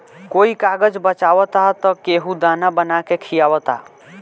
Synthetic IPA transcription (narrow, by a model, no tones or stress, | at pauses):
koikaɡəd͡ʒbət͡ʃawət̪at̪ɔkeɦud̪anabənakekʰijawət̪a̰